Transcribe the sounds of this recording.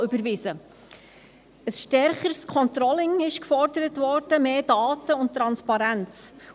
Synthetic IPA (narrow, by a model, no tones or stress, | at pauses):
ʏbəɾʋɪzə | əsʃtɛɾχəɾskʰɔnt̪ɾɔlɪŋɪʃkfɔɾdəɾətvɔɾd̥əmeːdɑːtəʊnt̚tɾɑnspɑɾænt͡s